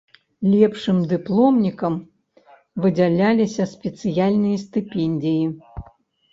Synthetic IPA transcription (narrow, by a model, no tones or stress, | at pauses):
lʲɛpʂɨmd̪ɨplˠɔmnʲikɐm | vɨd͡zʲalʲalʲisʲɐsʲpʲɛt̪sɨjalʲnɨjɐst̪ɨpʲɛnʲd̪ʲiji